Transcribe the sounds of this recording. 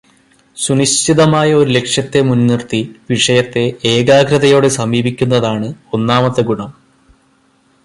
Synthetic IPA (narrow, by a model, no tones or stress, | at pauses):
suniɕtiðɐmaːjɐo̞ɾule̞kʂjɐt̪ːe̞munːirt̪iʋiʂɐjɐt̪ːe̞eːɡaːɡɾɐðɐjo̞ːɽe̞sɐmiːbikʲːunːɐðaːɳɨo̞nːaːmɐt̪ːɐɡuɳɐm